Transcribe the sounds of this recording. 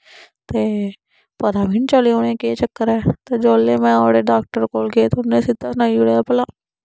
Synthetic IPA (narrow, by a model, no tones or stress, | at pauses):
t̪e | pɐd̪aːbʱint͡ʃaleoːnẽket͡ʃɐkːəɾɛːt̪ed͡ʒoːlːemɛ̃ɔːɽeɖaːk̚ʈəɾkoːlket̪oʊnːẽsɪd̪asnaːiʊɽejapɐlaː